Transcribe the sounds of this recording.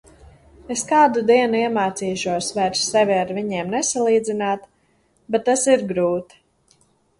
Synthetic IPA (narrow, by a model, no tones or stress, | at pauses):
eskaːd̪ud̪iɛnuiɛmaːt̪siːʃuɔsvæɾsːɛvʲiaɾvʲiɲiɛmnɛsalˠiːd̪zinaːt̪ | bɛt̪ːasiɾɡɾuːt̪i̥